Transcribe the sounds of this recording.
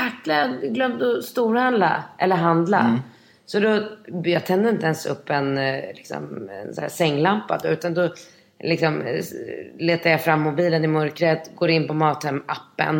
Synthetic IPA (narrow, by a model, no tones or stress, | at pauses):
akːlaɡlœmd̪ɔst̪uːɾhand̪la̰ʔɛlːəɾɦand̪la̰ | sɔd̪ɔjɑːt̪ʰɛnd̪əɾɪnt̪əɛnsɵ̰pːɛnlɪksɔ̰mɛ̰nsaæ̰sɛŋːlampːa̰d̪ɔʉ̟ːt̪and̪ɔ | lɪksɔm | leːt̪ajɑfɾamːʊbiːlənɪmœɾkɾɛt̪ɡoːɾɪnːpɔmɑːt̪hɛmapːə̰n